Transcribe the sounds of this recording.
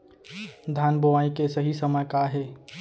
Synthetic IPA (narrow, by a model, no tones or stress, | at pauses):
d̪ʱaːnboʋaːikesɐɦisəməjkaɦɛː